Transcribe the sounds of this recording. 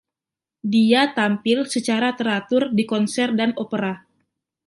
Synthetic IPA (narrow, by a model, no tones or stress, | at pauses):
diat̪ampɪlsət͡ʃaɾat̪əɾat̪ʊrdikɔnsɛrdanopəɾa